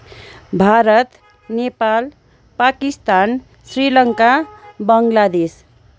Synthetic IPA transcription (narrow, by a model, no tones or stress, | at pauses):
bʱaɾʌt̪ | nepal | pakist̪an | srilʌŋkabʌŋlad̪es